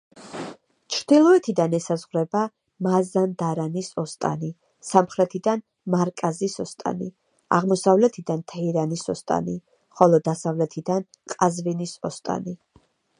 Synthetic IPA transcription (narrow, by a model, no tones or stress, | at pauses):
t͡ʃʰɾd̪ilˠɔɛt̪ʰid̪anɛsazʁwɾɛba | mazand̪aɾanisɔst̪ʼa̰ni | samχɾɛt̪ʰid̪an | maɾkʼazisɔst̪ʼa̰ni | a̰ʁmɔsavlɛt̪ʰid̪ant̪ʰɛiɾanisɔst̪ʼa̰ni | χɔlˠɔd̪asavlɛt̪ʰid̪an | kʼazvinisɔst̪ʼa̰ni